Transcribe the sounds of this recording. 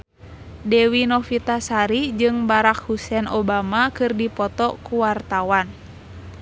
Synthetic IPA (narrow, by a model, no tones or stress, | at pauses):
dɛwinɔfit̪asaɾid͡ʒɨŋbaɾak̚husɛnɔbamakɨrdipɔt̪ɔkuwart̪awan